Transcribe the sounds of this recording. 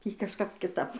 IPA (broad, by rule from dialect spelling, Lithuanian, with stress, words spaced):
ˈtʲiː kɐʃˈkɐp kʲɪˈtɐp